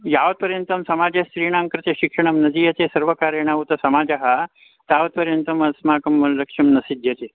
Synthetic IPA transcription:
jaːʋɐt̪̚pɐɾjɐnt̪ɐmsɐmaːd͡ʒɐʃɾiːɳ̃aːŋkɾɐt̪eʃikʂɐɳ̃ɐmnɐd̪ijɐt̪esɐɾʋɐkaːɾjɐɳ̃aːut̪ɐsɐmaːd͡ʒɐɦɐ | t̪aːʋɐt̪̚pɐɾjɐnt̪ɐmɐsmaːkɐmlɐkʂɐmnɐsid̪ʱjɐt̪e

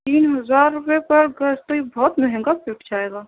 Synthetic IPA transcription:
t̪iːnɦɐzaːɾːʊpepɐɾɡɐst̪oibɔːt̪məɦɪ̃ŋɡapɪʈʰd͡ʒaːeːɡaː

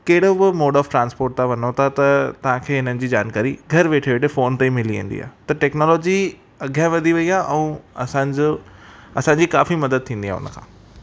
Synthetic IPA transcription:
kɐɦɪɽ̤obɪmoːɖɔːfʈɾãːnspoːɾʈ̚t̪ʰaʋɐnot̪ʰat̪ɐt̪ɐʋ̤ãkʰeːɦɪn̤ənɪ̆d͡ʑiːd͡ʑa̰ːnkaːɾiɡʱɐɾʋeːʈʰeʋeːʈʰefoːnt̪eimɪliʋḭ̃ːn̆d̪ḭa̰ːɦt̪ɐʈɛːknɔːlɔːd͡ʑi | ɐɡʱjãʋɐd̪ʱiʋɐiaːʔɛ̃ːɐsãd͡ʑoɐsãːɲd͡ʑikaːfimɐd̪əd̪̚t̪ʰĩːnd̪iaːʊ̰nə̆kʰãː

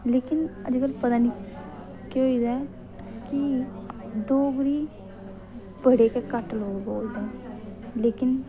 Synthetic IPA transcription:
leːkɪnə̰d͡ʒkəlpət̪aːni | keɦoid̪a | kɪ | ɖoːɡɾiː | pəɽeːkekəʈloːɡɡoːd̪ẽːleːkɪn

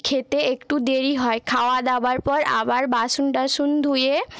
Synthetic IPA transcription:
kʰet̪eekʈud̪eɾiɦɔekʰaoad̪ɛbaɾpɔɾa̰baɾbaʃunʈaʃund̪ʱuje

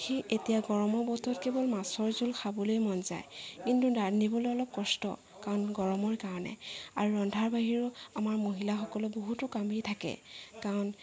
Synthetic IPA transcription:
xiʔetijaɡɔɹɔmɔbɔtɔt̚kebɔlmasɔɹzulxʰabɔlojmɔnza̰jkintudanibɔloɔlɔp̚kɔstɔ̰ | kaɹɔnɡɔɹɔmɔɹkaɹɔnɛ̰aɹuɹɔndʱaɹbaɦiɹʊamaɹmoɦilaxɔkɔlɔboɦutʊkamejtʰakɛ̰kaɹɔn

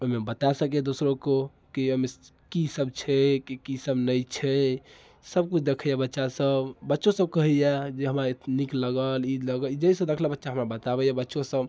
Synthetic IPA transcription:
omebət̪asəkɛd̪osɾoko | kiomekisəbt͡ʃʰɛkikisəbnəjt͡ʃʰɛ | səb̚kut͡ʃʰd̪ekʰəjabətːʃasəbbətːʃosəbkəɦɛjɛd͡ʒeɦəmɾanikləɡəlid̪ləɡəlid͡ʒəisə̃d̪ekʰlebətːʃaɦəmɾabət̪abɛjabətːʃosəb

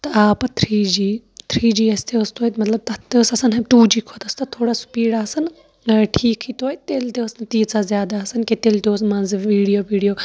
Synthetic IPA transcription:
t̪ɐaːpɐt̪ʰɾiːd͡ʒiːt̪ʰɾiːd͡ʒiːɐst̪eəst̪oːjt̪mɐt̪lɐb̚t̪ɐt̪eːsɐsɐnɦɐbʈuːd͡ʒiːkʰot̪ɐst̪ɐt̪ʰoːɽasu̥piːɽaːsɐn | ʈʰiːkʰit̪oːjt̪eːlt̪eəsnɐt̪iːt͡sazʲjaːd̪aːsɐnket̪eːlt̪eosmãːnzɨʋiːɽijoːʋiːɽijoː

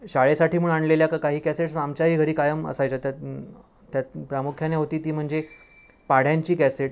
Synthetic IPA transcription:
ɕaɭesaʈʰiːm̤uːɳaɳleljakakaɦiːkɛseʈsamt͡ɕjaɦiːɡʱəɾiːkajəmə̰sajt͡ɕat̪ja | t̪japɾamukʰjaneɦot̪iːt̪iːm̤əɳd͡ze | paɽ̤jãɲt͡ɕiːkɛseʈ

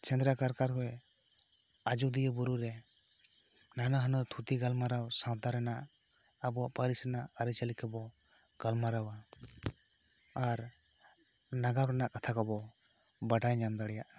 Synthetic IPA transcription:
t͡ʃɛnd̪ɾakaɾkaɾkɔj | ad͡ʒud̪ijəbuɾuɾɛ | nanaɦənɔt̪ʰut̪iɡalmaɾawsãwt̪aɾɛnaʔ | abɔpaɾisanaaɾit͡ʃalikʰɛbɔ | ɡ̥almaɾawa | ɾ | naɡawɾɛnaʔkat̪ʰakɔbɔ | baɖajɲand̪aɽɛjaʔ

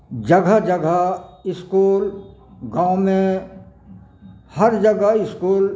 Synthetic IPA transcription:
d͡ʒɐɡʱəd͡ʒəɡʱəɪskuːlɡãːʊmẽ | hɐɾd͡ʒəɡəɪskuːl

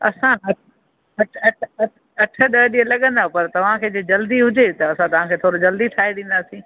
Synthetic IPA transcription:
ɐ̰sãɦɐʈ̚ | ɦɐʈʰɐʈʰɐʈ | ɐʈʰə̆ɗɐɦɗiːə̃lɐɠə̃nd̪apɐɾt̪ɐʋ̤ãkʰeːd͡ʑeːd͡ʑɐld̪iɦʊd͡ʑet̪ɐɐsãt̪ɐʋ̤ãkʰeːt̪ʰoːɾod͡ʑɐld̪it̪ʰaːeɗĩːnd̪aːsĩː

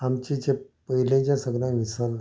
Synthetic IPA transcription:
amt͡ɕid͡ʑe | pəɦilẽt͡ɕjasəɡlãʋisəl

